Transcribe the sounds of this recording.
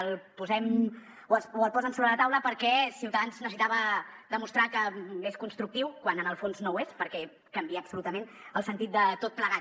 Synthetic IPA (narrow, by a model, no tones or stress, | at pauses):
lˠpuzɛm | oəuəlˠpɔzəmsoβɾələt̪awləpəɾkɛsiwt̪əðanznəsit̪aβəðəmust̪ɾakəeskunst̪ɾuk̚t̪iwkwanənəlˠfonznowespəɾkɛ | kəmbiəːbsulut̪əmenəlˠsənt̪it̪d̪ət̪ot̪̚pləɣa